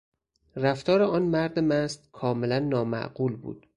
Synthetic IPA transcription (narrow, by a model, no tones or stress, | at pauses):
ræft̪ɒːɾeɒːnmæɾd̪emæst̪kʰɒːme̞lænːɒːmæ̰ʔɢ̥uːlbṵːd̪̥